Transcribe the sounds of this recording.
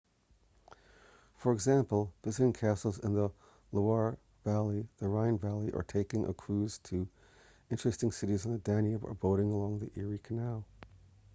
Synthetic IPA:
fə˞ɨɡzæ̃mpl̩ˠvɪzɨɾɪ̃ŋkʰæsl̩ˠzɨ̰̃nðə | ləɑɹ | vælˠiðəɹãɪ̃nvælˠiʔə̰˞tʰeɪkɪ̃ŋʔə̰kʰɹ̥ʉz̥tʰɨ | ɪ̃nt͡ʃɹ̥ɨstɪ̃ŋsɪɾizn̩ðədæ̃njɨbə̰˞boʊɾɪ̃ŋəlɔ̃ŋðiʔɪɹikʰɨnaʊ

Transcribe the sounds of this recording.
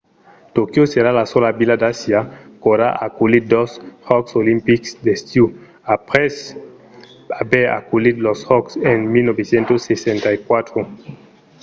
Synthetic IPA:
t̪okjoseɾalasolabilad̪asjakoɾaa̰kulit̚d̪oshɔksolimpiksd̪est̪ju | apʁes | abeɾa̰kulid̪loshɔksenmilnobesjẽnt̪osesent̪aikwat̪ɾo

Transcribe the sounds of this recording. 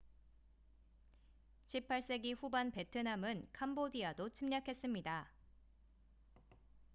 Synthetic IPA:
ɕʰipʰːaɭs͈e̞ɡiɸubanpe̞tʰɯnamɯnkʰambodiadot͡ɕʰimɲakʰe̞s͈ɯmɲida

